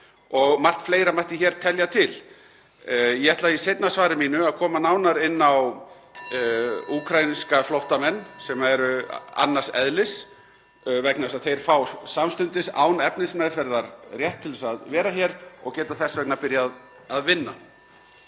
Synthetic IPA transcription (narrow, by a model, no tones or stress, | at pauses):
ɔɣmar̥t̪fleːjɾamaht̪ɪçɛːɾ̥t̪ʰɛljat̪ʰɪl | jɛɛht̪laisejt̪nasvaːɾɪmiːnʏaðkʰɔːmanawnaɾɪnːaw | uːkʰɾajniskaflowht̪amɛnːsɛmaɛɾʏa̰nːḁsɛ̰ðlɪs | vɛknasaðθejɾ̥faːwsamst̪ʏnt̪ɪsa̰ːwnɛpnɪnsmɛðfɛɾðaɾrjɛht̪ʰːɪlɛsaðvɛːɾaçɛɾɔ̰ɣcɛːt̪aθɛsvɛk̚naɾpɪɾjaːð | aðvɪnːa